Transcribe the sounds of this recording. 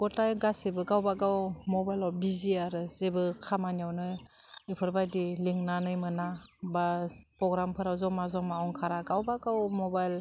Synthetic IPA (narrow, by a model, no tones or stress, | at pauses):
ɡ̥ɔtajɡasebɯɡawbaɡawmɔbajlɔbiziaɾɯz̥ebɯkʰamanjawnɯ | ipʰɯɾbajdiliŋnanɯjmɯnabapɾɔɡɾampʰɯɾawzɔmazɔmaɔŋkʰaɾaɡawbaɡawmɔbajl